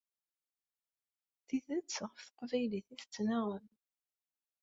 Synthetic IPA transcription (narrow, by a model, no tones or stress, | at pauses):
θiðət͡sːʁəfθə̥qvæjliθiθət͡sːnaʁən